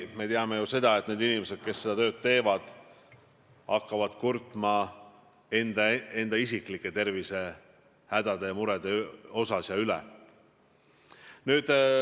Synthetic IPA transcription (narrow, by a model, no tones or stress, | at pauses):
me̞t̪eɑme̞juse̞d̪̥ɑet̪̚ːˑneːd̪inimese̞d̪̥̚ke̞sːe̞d̪ɑt̪ø̞ːd̪̥̚t̪e̞ːvɑd̪̥ | ɑkːɑvɑd̪̥kurt̪ˑmɑ | end̪̥ɑe̞nd̪̥ɑisikˑlikːˑe̞t̪e̞rvise̞ | hæd̪̥ɑd̪e̞jɑmuɾed̪̥eo̞sɑsjɑylɛ̰ | nyːd̪̥